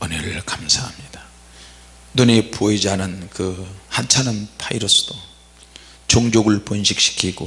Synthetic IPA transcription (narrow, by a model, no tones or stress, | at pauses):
ʌneɾɯɭkamsʰahamɲid̥ḁ | nonepʰoed͡ʑianɯnkɯhant͡ɕʰanɯnpʰaiɾʌs͈ʰɯ̥d̥o | t͡ɕoŋd͡ʑoɡɯɭponɕʰik̚ɕ͈ʰi̥kʰiɡo